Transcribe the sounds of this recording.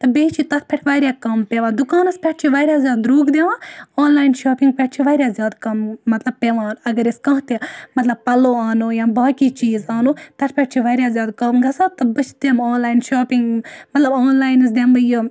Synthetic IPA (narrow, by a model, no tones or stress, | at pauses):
t̪ɐbeːt͡ʃʰit̪ɐt̪̚ʰpʰeʈʰʋaːɾʲjaːkɐmpʲeʋãːd̪ukaːnɐspʲɛʈ̚t͡ʃʰiʋaːɾʲjaːzʲjaːd̪ɾoːkd̪eʋãːoːnlaːjnʃaːpiŋɡ̚pʲɛʈ̚t͡ʃʰiʋaːɾʲjaːzʲjaːd̪kɐmːɐt̪lɐb̚peʋãːnɐɡɐɾeskɐ̃ɦt̪emɐt̪lɐb̚pɐloːaːnoːjãːbaːkiːt͡ʃiːzaːnoːt̪ɐt̪ʰpʰʲeʈ̚t͡ʃʰiʋaːɾʲjaːzʲjaːd̪kɐmɡɐsaːt̪ɐbɨt͡ʃʰd̪emoːnlaːinʃoːpiŋɡmɐt̪lɐboːnlaːjnɨs̬d̪embɨjɨ